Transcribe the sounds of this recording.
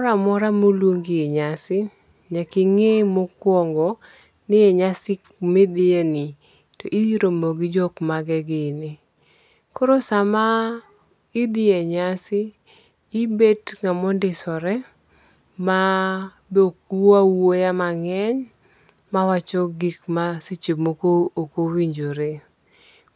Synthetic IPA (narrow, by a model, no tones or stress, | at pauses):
ɾamɔɾamolwoŋɡɪɛɲasɪ | ɲakɪŋemokwɔŋɡɔ | nɪjɛɲasɪk | med̪ɪeni | tɔʔidiɾomoɡɪd͡ʒɔkmaɡɛɡɪnɪ | koɾosama | ɪd̪ɪeɲasɪː | betŋamɔndɪsɔɾɛ | ma | bokuawojamaŋɛɲ | mawat͡ʃɔɡɪkmasit͡ʃimokookowiɲd͡ʒoɾe